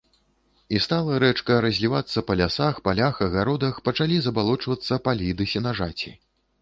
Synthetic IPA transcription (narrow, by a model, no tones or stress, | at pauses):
ist̪alˠɐɾɛt͡ʂkɐɾɐzʲlʲivat̪sːɐpɐlʲasaxpalʲaxɐɣaɾɔd̪ɐxpɐt͡ʂalʲizɐbalˠɔt͡ʂvɐt̪sːɐpalʲid̪ɨsʲinaʐat͡sʲi